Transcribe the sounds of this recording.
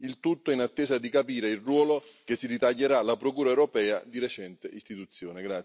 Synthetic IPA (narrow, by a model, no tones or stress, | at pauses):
ilt̪ut̪ːoinat̪ːɛːzad̪ikapiːɾeilrwɔːlok̟esːidit̪aʎːeɾalapɾokuːɾaɛwɾopɛːad̪iɾet͡ʃɛnt̪eʔist̪it̪ut̪sːjoːneɡɾa